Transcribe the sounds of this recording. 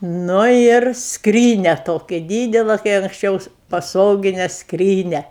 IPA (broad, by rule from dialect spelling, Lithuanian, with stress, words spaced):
ˈnʊ ɪr ˈskrʲiːnʲɛ ˈtoːkʲɪ ˈdʲiːdʲɛlˠɐ kɐɪ ɐŋksʲˈt͡ʃʲɛʊs pɐˈsoːɡʲɪnʲɛ ˈskrʲiːnʲɛ